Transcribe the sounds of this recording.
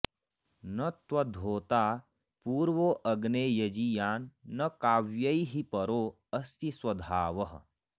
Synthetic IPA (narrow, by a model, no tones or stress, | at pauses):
nɐt̪wɐd̪ʱoːt̪aː | puːɾʋoʔɐɡneːjɐd͡ʒijaːnːɐkaːʋjɐiɦipɐɾoː | ɐst̪iswɐd̪ʱaːʋɐɦ